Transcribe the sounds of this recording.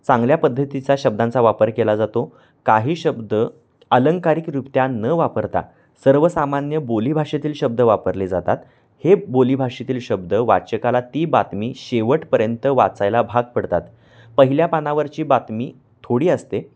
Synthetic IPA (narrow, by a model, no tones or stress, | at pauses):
t͡sãŋɡljapəd̪ʱːət̪it͡ɕaɕəb̚d̪ãnt͡saʋapəɾkelad͡zat̪o | kaɦiːɕəbd̪ə | ələŋɡkaɾikɾupt̪janəʋapəɾt̪a̰ | səɾʋəsamanjəboliːbʱaʂet̪iːlɕəb̚d̪əʋapəɾled͡zat̪a̰t̪ | hebolibʱaʂit̪iːlɕəb̚d̪əʋa̰t͡ɕəkalat̪iːbat̪miːɕeʋəʈpəɾjənt̪əʋa̰t͡sajlabʱaɡ̚pəɽt̪at̪ | pəɦiljapanaʋəɾt͡ɕiːbat̪miː | t̪ʰoɽiːəst̪e